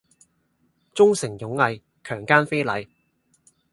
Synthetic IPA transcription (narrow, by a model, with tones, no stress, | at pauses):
t͡sʊ˥ŋsɪ˨˩ŋjʊ˨˥ŋːɐ˨˧j | kʰœː˨˩ŋkaː˥nfe˥jlɐ˨˧j